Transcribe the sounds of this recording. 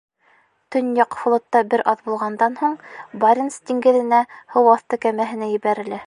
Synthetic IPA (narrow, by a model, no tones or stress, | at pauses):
t̪ɵ̆njɑqflˠŏt̪ːɑbɘɾʔɑðbulˠʁɑnd̪ɑnhuɴbɑɾʲɪnst̪iŋɡɘ̆ðɘ̆næhɤwɑθt̪ɤkæmæɦɘ̆næjɘ̆βæɾɘ̆læ